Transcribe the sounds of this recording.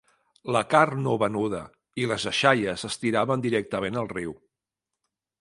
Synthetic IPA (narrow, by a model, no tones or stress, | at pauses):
ləkarnoβənuð̞ə | iləzəʃajəzəst̪iɾaβənd̪iɾɛk̚t̪əmenəlˠriw